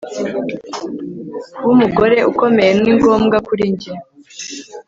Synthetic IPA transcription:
wumuɡo̞ɾe̞ʔuko̞me̞jenŋiːŋɡo̞ːmɡakuɾiɲɟiɾ

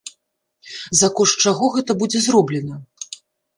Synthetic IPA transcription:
zɐkɔʂt͡ʂaɣɔɣɛt̪ɐbud͡zʲɛzrɔblʲɛnɐ

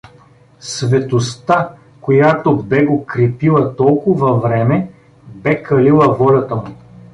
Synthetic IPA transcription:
svɛt̪ost̪a | kojat̪obɛɡokɾɛpilˠɐt̪ɔlˠkʊvɐvɾɛmɛ | bɛkɐlilˠɐvɔlʲɐt̪əmʊ

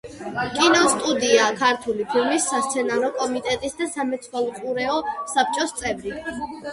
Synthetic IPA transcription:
kʼinɔst̪ʼud̪iakʰaɾt̪ʰulipʰilˠmisːast̪sʰɛnaɾɔkʼɔmit̪ʼɛt̪ʼisd̪asamɛt̪sʰwalˠqʼuɾɛɔsap̚ʰt͡ʃʼɔst̪sʼɛvɾi

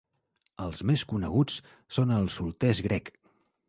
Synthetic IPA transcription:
əlˠzmeskunəɣ̞ut͡s | sonəlˠsulˠt̪ɛzɣɾɛk

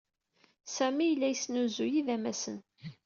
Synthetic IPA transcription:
sæmijəlːæjəsnuzujiðæmæsən

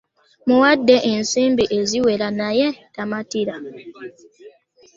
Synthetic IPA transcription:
muwadːɛʔen̩simbiʔeziwɛɾanajɛtamatiɾa

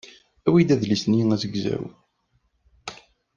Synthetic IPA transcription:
æwid̪æðlisniæzəɡzæ̰ɾṵ

